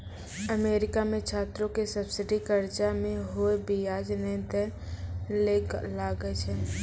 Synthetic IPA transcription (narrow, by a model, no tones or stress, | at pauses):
əmeːɾɪkamẽt͡ʃʰaːt̪ɾõkesəbsɪɖikəɾd͡ʒamẽɦoebijaːd͡ʒnɛ̃t̪e | leklaːɡəet͡ʃʰɛː